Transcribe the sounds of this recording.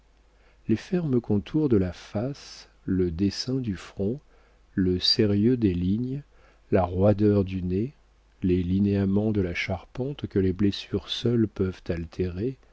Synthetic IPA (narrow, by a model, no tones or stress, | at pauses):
lefɛʁməkɔ̃t̪ʰuʁd̪əlafas | ləd̪esɛ̃d̪yfχɔ̃ | ləseʁjød̪eliɲ | laʁwad̪œʁd̪yne | lelineamɑ̃d̪əlaʃaʁpɑ̃t̪kəleblesyʁsœlpœvt̪alt̪ʰeʁe